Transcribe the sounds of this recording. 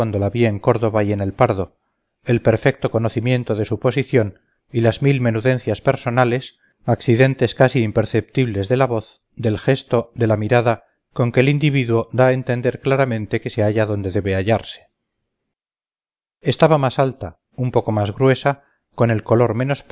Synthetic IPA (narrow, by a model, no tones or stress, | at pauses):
wand̪o̞laβieŋko̞ɾðo̞βaje̞ne̞lpaɾðo̞ | e̞lpe̞ɾfek̚t̪o̞ko̞noθimje̞nt̪o̞ðe̞supo̞siθjo̞n | ilazmilme̞nuðe̞n̟θjaspe̞ɾso̞nale̞s | akθiðe̞nt̪e̞skasiːmpe̞ɾθe̞p̚t̪iβle̞zðe̞laβo̞θ | d̪e̞lxe̞st̪o̞d̪e̞lamiɾaða | ko̞ŋke̞ːlind̪iβiðwo̞d̪ae̞nt̪e̞nd̪e̞ɾklaɾamẽnt̪e̞ke̞se̞aʝaðo̞nd̪e̞ðe̞βe̞aʎaɾse̥ | est̪aβamasalt̪a | umpo̞ko̞mazɣɾwe̞sa | ko̞ne̞lko̞lo̞ɾme̞no̞sp